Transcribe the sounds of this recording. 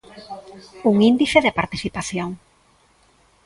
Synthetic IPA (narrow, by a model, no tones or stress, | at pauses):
uŋĩnd̪iθeðepaɾt̪iθipaθjoŋ